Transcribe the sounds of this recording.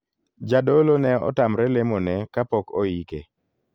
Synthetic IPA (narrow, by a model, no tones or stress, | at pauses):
d͡ʒadolonɛɔ̰tamɾɛlemonɛkapɔkoike